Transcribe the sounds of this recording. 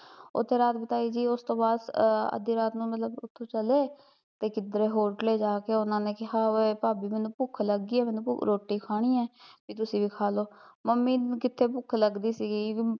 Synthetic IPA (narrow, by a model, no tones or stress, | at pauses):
ʊ̰t̪ʰːeːɾaːt̪bɪt̪aːiːd͡ʒiːʊst̪õːbaːd̪ə̰d̪iːɾaːt̪nũːmət̪ləbʊt̪ʰːõːt͡ʃəleː | t̪eːkɪd̪ɾeːɦoːɾʈleːd͡ʒaːkeːʊnãːneːkɪɦaːpaːbiːmɛ̃ːnũːpʊkʰləɡːiːɛːmɛ̃ːnṵ̃ːɾoːʈːiːkʰaːɽ̃iːɛːpiːt̪̬ʊsĩːbiːkʰaːloːməmːiːkɪt̪ʰːeːpʊkʰləɡd̪iːsiːɡiː